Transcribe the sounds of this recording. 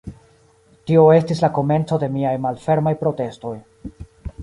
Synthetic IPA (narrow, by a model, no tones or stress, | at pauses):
tio̞e̞stislako̞me̞nt͡so̞de̞miajmalfe̞ɾmajpɾo̞te̞sto̞j